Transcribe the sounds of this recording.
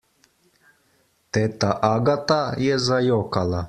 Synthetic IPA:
t̪ɛt̪aʔaɡat̪ajɛzajɔkalˠa

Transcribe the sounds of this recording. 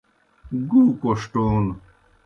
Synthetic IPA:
ɡukoʂʈoːn

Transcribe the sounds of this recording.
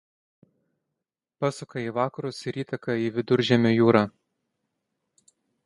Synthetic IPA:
pɑːsʊkɐiːʋɑːkɐɾʊsɪɾiːt̪ɐkɐiːʋʲɪd̪ʊɾʲˑʒʲɛmʲoːjuːɾɑː

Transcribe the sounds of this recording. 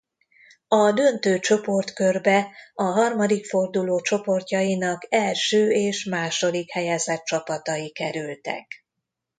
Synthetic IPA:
ɒd̪ø̞nt̪øːt͡ʃo̞po̞rt̪kørbɛɒɦɒrmɒd̪ikfo̞rd̪uloːt͡ʃo̞po̞rcɒjinɒkɛlʃøːeːʃmaːʃo̞d̪ikhɛjaːzɛt̪̚t͡ʃɒpɒt̪ɒjikɛɾylt̪ɛ̰k

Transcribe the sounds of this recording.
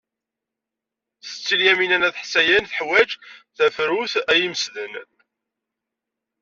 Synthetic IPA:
θə̥t͡sːiljæminænæðħsæjænθəħwæd͡ʒθæfɾuθæjiməsðən

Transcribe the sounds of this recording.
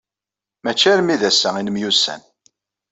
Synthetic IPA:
mæt͡ʃːæɾmiðæsːæinəmjusæ̰n

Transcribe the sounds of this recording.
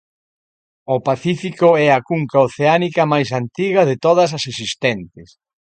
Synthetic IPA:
ʊpaθifikʊɛɐkuŋkaoθeanikɐmajs̬ant̪iɣɐðet̪oðɐs̬ɐsesist̪ɛnt̪ɪs

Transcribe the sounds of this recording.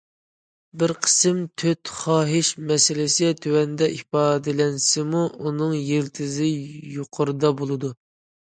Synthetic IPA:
bɪɾqʰə̥sɨmt̪ʰøt̪χɑːɦɪʃmɛsɪlɪsɪt̪ʰøwɛnd̪ɛʔipɑːd̪ɪlɛnsɪmuunɨŋjelt̪ʰɪzɪjoqʰʊɾɨd̪ɑbolˠɨd̪u

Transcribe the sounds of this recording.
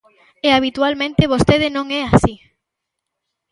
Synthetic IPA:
eaβ̞it̪walmẽnt̪ɪβ̞ost̪eð̞ɪnõŋɛasi

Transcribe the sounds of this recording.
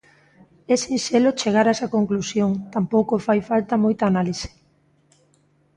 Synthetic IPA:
ɛsinʃelot͡ʃeɣ̞aɾaɛsɐkoŋklusjoŋt̪ampowkofajfalt̪ɐmojt̪aːnalisɪ̥

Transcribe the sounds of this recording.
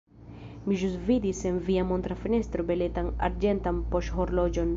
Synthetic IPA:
miʒusvidisenviamo̞nt̪ɾafine̞st̪ɾo̞bele̞tana̰ɾd͡ʒe̞nt̪ampo̞ʃhoɾlo̞d͡ʒo̞n

